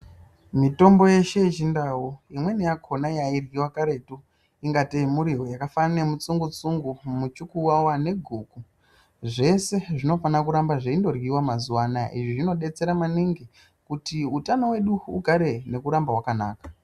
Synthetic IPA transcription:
mito̞mbo̞je̞ʃet͡ʃindawujimwe̞nijakʰonajairwiwakaɾe̞tu | iŋɡateimuɾiɦo̞jakafane̞mut͡suŋɡut͡suŋɡumut͡ʃukuwawane̞ɡʱuːku | ʐe̞se̞ʐino̞fanak̬uɾambaʐeindo̞rɣiwamazuwanaʔḭʐiʐino̞ɗe̞t͡se̞ɾamaniŋɡi | kutiutano̞we̞ɗuṵɡʱaɾe̞ne̞kuɾambawakana̰ːkḁ

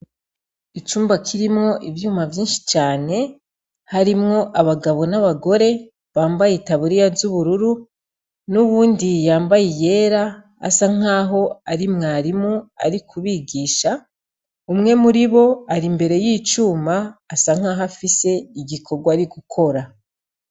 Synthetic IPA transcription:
it͡ʃuːmbakʰiɾimŋo̞ʔivjuːmavjiːnʃi̥t͡ʃaːne̞ | haɾimŋo̞ʔaβaɡaβo̞naβaɡo̞ɾe̞ | βaːmbajitaβuɾijazuβuɾuɾu | nuβuːndijaːmbajije̞ːɾa̰ː | saŋ̥aːɦo̞aɾimŋaːɾimua̰ɾikʰuβiɡiːʃa | umŋe̞muɾiβo̞aɾimbe̞ɾe̞jiːt͡ʃuːmaːsaŋ̥aːɦafise̞iɟikʰo̞ɡwaɾiɡukʰo̞ɾa

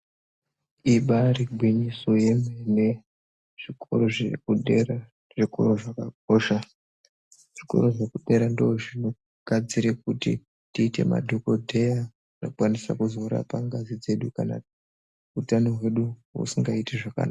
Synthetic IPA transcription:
iɓariɡʱwiɲiso̞je̞mene | ʐ̥ikoroʐekuera | ʐiko̰roʐakak̚o̞ʃa | ʐ̥iko̞̰ɾoʐe̞kuɗe̞ɾandooʐino̞ | ɡ̥ʱad͡ziɾek̚utḭ | tiːte̞̰ma̰dʱoko̞dʱe̞ja | inokwanisa̰kuzo̞ɾa̰paŋɡazid͡ze̞ɗukana | utanoɦwe̞ɗuwṵsiŋɡaiteʐaka̰naa

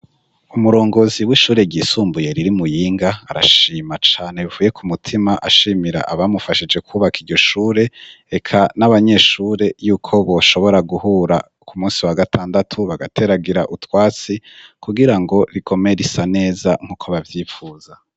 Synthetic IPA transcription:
umuɾo̞ːŋɡo̞ziwiʃuːɾe̞ɟiːsuːmbuje̞ɾiɾimujiːŋɡaaɾa̰ʃiːmat͡ʃaːne̞βivuːje̞kʰumutʰimaʔaʃiːmiɾa̰ʔaβamufaʃid͡ʒe̞kʰuːβakiɾɟo̞ʃuːɾe̞ | ekʰanaβaɲe̞ʃuːɾe̞juːkʰo̞βo̞ʃo̞βo̞ɾaɡuhuːɾa̰ | kumuːsiwaɡatʰaːndatʰuβaɡatʰe̞ɾaɡiɾaʔutwaːt͡sikuɡiɾaŋɡo̞ɾikʰo̞me̞ɾisane̞ːzaŋ̥huːkʰo̞βavjiːfuːz̥a

